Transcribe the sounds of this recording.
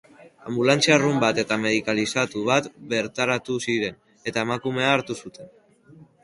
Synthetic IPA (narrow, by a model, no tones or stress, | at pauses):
ambulant͡siarumbat̪e̞t̪ame̞ð̞ikalisat̪uβat̪be̞ɾt̪aɾat̪usiɾe̞n | e̞t̪ae̞makume̞aːɾt̪usut̪e̞n